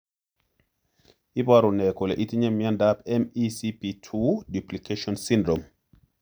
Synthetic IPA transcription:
ibaɾunɛkɔlɛ̰ʔit̪iɲɛmjandapɛmisipitʰudiplikeʃɔnsĩndɾɔm

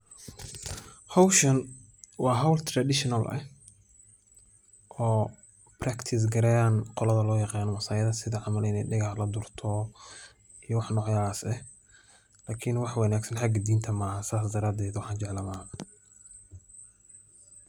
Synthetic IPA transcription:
hɐwʃɐn | wɑːɦɐwlt̪ʰrad̪ɪʃɪnɐlʔɐ̰h | ʔɔː | brakt̪ʰɪs̬ɡɐɾɛjaːnqɔlɐðɐlɔːjɑqɑːnɔmɐsaːjɐðɐsɪðɐʕɑmɐlɪnɛjɖɪɣɑħlɐd̪ʊrt̪ʰɔ | ijɔwɑħnɔːʕjaasɛh | laːkʰɪnwɑħwɑnaːɡsɐnħaɡɐd̪iːnt̪ʰɐmaːɦɐsaːsd̪ɐɾaːd̪ɛːd̪wɑħɑːnt͡ʃɛʕlɐmaːhɐ

